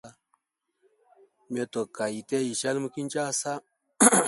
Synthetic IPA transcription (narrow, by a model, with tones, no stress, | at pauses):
a˦ | me˨to˨ka˨ji˨te˦ji˨ʃa˦lmu˦ki˦nt͡ʃa˦˨sa˦